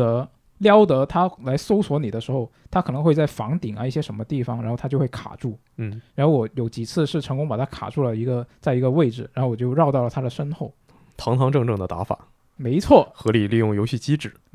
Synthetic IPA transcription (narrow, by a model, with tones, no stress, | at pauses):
ə˧˥ | ljɑ˥ʊt̪ɤ˧˥t̪ʰa˥la˧˥ɪso˥ʊswɔ˧˥ni˨˩d̪ə˦ʂɻ̩˧˥xo˥˧ʊt̪ʰa˥kʰɤ˨˩nɤ˧˥ŋxwe˥˧ɪt͡sa˥˩ɪfɑ̰˧˥ŋt̪i˨˩ŋɐ˦i˥˩ɕjɛ˥ʂə˧˥nmə˧t̪i˥˩fɑ˨˩ŋɻa˧˥xo˥˩ʊt̪ʰa˥jo˥˧ʊwe˥˩ɪkʰa̰˨˩ʈ͡ʂu˥˩˥ | ɻa˧˥nxo˥˩ʊwɔ˧˥jo˧˩ʊt͡ɕi˨˩t͡sʰɹ̩˥˧ʂɻ̩˥˩ʈ͡ʂʰɤ˧˥ŋkʊ˥ŋpa˨˩t̪ʰa˥kʰa̰˨˩ʈ͡ʂu˥˩lə˩i˧˥ɡə˧t͡sa˥˩ɪi˧˥ɡə˧we˥˩ɪʈ͡ʂɻ̩˨˩ɻa˧˥nxo˥˩ʊwɔ˨˩t͡ɕjo˥˧ʊɻɑ˥˧ʊt̪ɑ˥˩lə˩t̪ʰa˥d̪ə˨˩ʂə˥nxo˥˩ʊ | t̪ʰɑ˧˥ŋt̪ʰɑ˧˥ŋʈ͡ʂɤ˥˧ŋʈ͡ʂɤ˥˩ŋd̪ə˩t̪a̰˧˥fa̰˨˩˦ | me˧˥ɪt͡sʰwɔ˥˩xɤ˧˥li˨˩li˥˧jʊ˥˩ŋjo˧˥ʊɕi˥˩t͡ɕi˥ʈ͡ʂɻ̩˨˩˦